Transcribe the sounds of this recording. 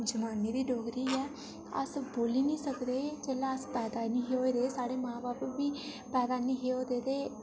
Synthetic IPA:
d͡ʒəmaːniːd̪iːɖoːɡɾiːɛː | ə̰sboːliːnĩːsəkd̪eːt͡ʃɛːlaəspɛːd̪aːnĩːɦeːoːd̪eːsaːɽeːmãːbaːpʋiː | pɛːd̪aːnĩːɦeːoːd̪eːd̪eː

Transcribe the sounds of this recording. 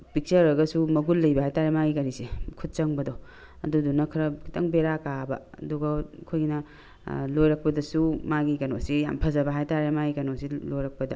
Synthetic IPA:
pik̚t͡ʃɐɾɐɡɐsumɐɡulːɐjbɐɦajtaɾemaɡikɐɾisekʰut̚t͡ʃɐŋbɐdɔ | ɐdudunɐkʰɐɾɐkʰitʰɐŋbeɾakabɐ | ɐ̰duɡɐkʰojɡinɐ | lojɾɐk̚pɐdɐsumaɡikɐnosija̰mpʰɐzɐbɐɦajtaɾemaɡikɐnosilojɾɐk̚pɐdɐ

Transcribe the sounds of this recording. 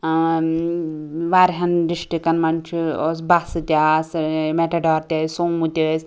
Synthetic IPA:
ʋaɾɦɐndiʃʈikɐnmɐnt͡ʃʰios̬basɨt̪ʲasmeʈɐɖɔːɾt̪ʲɐsuŋmut̪ʲes

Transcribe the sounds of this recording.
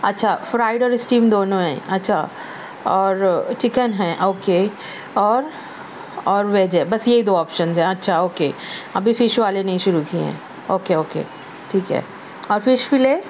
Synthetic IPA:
ɐtːʃʰafɾaːɪɖɔːɾɪsʈiːmd̪oːnõɦɛ̰̃ːɐtːʃʰa̰ | ɔːɾt͡ʃɪkənɦɛ̃ːʔoːke | ɔːɾ | ɔːɾʋeːd͡ʒɛːbɐsjeɦid̪oːɔːpʃə̃nzɦɛ̃ɐtːʃʰaoːkeɐbʱifɪʃʋaːlenɐɦĩʃʊɾukiɦɛ̰̃ː | oːkeoːkḛː | ʈʰiːkɦɛ̰ː | ɔːɾfɪʃfɪleː

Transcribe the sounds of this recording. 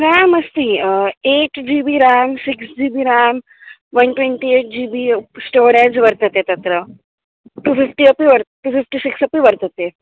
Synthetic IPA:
ɾaməst̪ieʈd͡ʑibiɾaːmsiksd͡ʒiːbiɾaːm | ʋənʈʋẽɳʈieʈ̚d͡ʑiːbisʈoːɾed͡ʒʋəɾt̪ət̪et̪ɐt̪ɾə | ʈuːfifʈiəpiʋəɾt̪ʈufifʈisiksɐpiʋəɾt̪ət̪e

